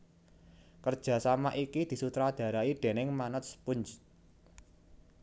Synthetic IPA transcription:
kərd̥ʒ̥a̤samaʔikid̪̥i̤sut̪ɾad̪̥ä̤ɾaiɖ̪̥e̤nɪŋmanʊt̪spʊɲt͡ʃ

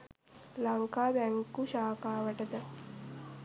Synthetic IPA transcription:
laŋkaːbæŋkuʃaːkaːʋəʈəd̪ə

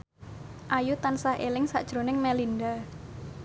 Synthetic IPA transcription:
ʔajut̪ansahʔelɪŋsa̰ʔd̥ʒ̥ɾo̤nɪŋmɛlinda

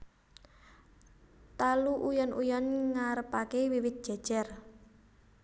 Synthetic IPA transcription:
t̪aluʔujɔnujɔnŋaɾəpakewiwɪt̪̚d̥ʒ̥a̤̥ʒ̥ɛr

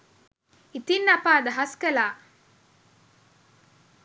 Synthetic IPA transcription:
it̪inːɐpaːd̪ɐɦɐskɐlaː

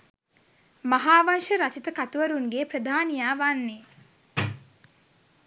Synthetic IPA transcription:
maɦaːʋanʃəɾat͡ʃit̪əkat̪uʋɐɾuŋɡeːpɾəd̪ʱaːnijaːʋanːe

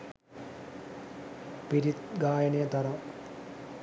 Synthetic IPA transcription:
piɾit̪ɡaːjɐneːt̪ɐrɐm

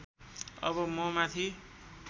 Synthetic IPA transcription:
ʌ̰bʌmʌmat̪ʰi

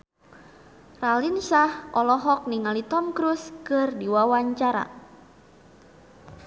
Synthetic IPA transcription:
ralinsahʔɔlɔɦɔk̚niŋalit̪ɔmkɾuskɨrdiwawaɲt͡ʃaɾa̰

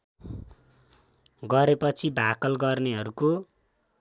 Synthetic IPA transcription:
ɡʌɾepʌt͡sʰibʱakʌlɡʌrneɦʌɾuko

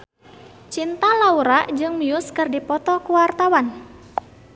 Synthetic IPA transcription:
t͡ʃint̪alauɾaʔd͡ʒɨŋmiʊskɨrdipɔt̪ɔkuwart̪awan

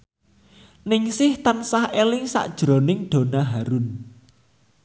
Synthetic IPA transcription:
nɪŋsɪht̪ənsahelɪŋsa̰ʔd̥ʒ̥ɾonɪŋɖ̥o̤naɦaɾʊn

